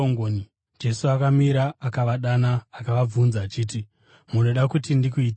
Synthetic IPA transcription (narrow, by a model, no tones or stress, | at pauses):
oŋɡoni | d͡ʒe̞suakamiɾaːkaʋaɗanaːkaʋab͡vunzaːt͡ʃiːt̬i | muno̞ɗakutindikuiːt